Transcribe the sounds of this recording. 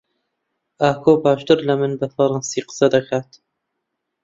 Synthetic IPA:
ʔaːkʰoːbaːʃt̪ɨɾlɐmɨnbɐfɐɾˤɑnsiːqə̥sɐd̪ɐkʰaːt̪

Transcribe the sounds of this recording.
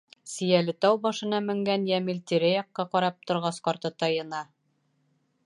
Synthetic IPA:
sĭjælɘt̪ɑwbɒʃɤ̆nɑmɘ̆ŋɡænjæmɘlt̪iɾæjɒqːɑqɒɾɑp̚t̪ŏɾʁɑsqɒɾt̪ɤt̪ɑjɤ̆nɑ

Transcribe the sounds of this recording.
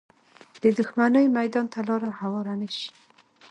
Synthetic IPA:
d̪̥əd̪ʊxmanəjmajd̪ɑnt̪alɑɾahawɑɾanaʃi̥

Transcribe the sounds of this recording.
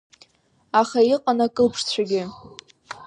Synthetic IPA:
aχaiqʼanakʼɨlpʰʂt͡ɕʷʰaɡʲɪ

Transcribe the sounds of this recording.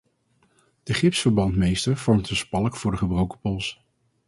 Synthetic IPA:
d̥əχɪpsfəɹbɑntmejstəɹv̥ɔɹmtəspɑlˠəkfʊːɹdəχəbrowkə̥pɔlˠs

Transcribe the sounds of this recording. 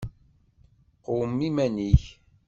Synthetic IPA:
qomːimæniç

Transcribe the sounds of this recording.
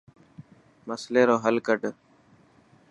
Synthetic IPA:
məsleːɾoːɦəlkəɖ

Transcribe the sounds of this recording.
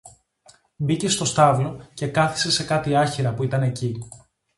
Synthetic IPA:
bice̞st̪o̞st̪ɐvlo̞ce̞kɐθi̥se̞se̞kɐt̪iɐçiɾɐpuit̪ɐne̞ci

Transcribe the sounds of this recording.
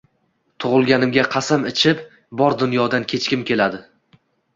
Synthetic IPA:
t̪ʰʊʁʊlˠɡʲanɪmɡʲaqʰɑsamɪt͡ʃʰɪp | bɒɾd̪ʊnjɒd̪ankʲʰe̞t͡ʃkʲɪmkʲʰe̞lad̪ɪ

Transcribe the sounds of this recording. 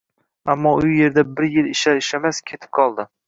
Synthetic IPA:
amːɒʊje̞ɾd̪abɪɾjɪlɪʃaɾɪʃamaskʲʰe̞t̪ʰɪ̥p̚qʰɒlˠd̪ɪ

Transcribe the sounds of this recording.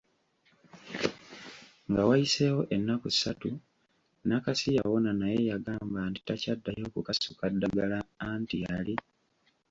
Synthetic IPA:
ŋɡawajise̞wo̞ʔenːakui̥satu | nakasija̰wo̞nanaje̞jaɡaːmbanti̥tacadːajo̞ːkukasukadːaɡalaːntiali

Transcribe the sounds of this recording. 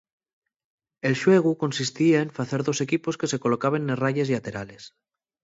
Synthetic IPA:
e̞lʃweɣ̞uko̞nsist̪iaeɱfaθeɾðo̞se̞kiposke̞se̞ko̞lokaβ̞enːeraʎesiat̪eɾales

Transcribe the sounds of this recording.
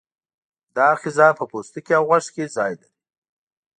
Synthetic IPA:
d̪ɑxɪzɑpəpost̪əkeawɣaʃkezɑjlaɾi

